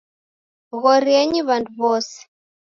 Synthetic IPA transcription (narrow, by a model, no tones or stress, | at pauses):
ɣɔɾiɛɲiβanduβɔsɛ̥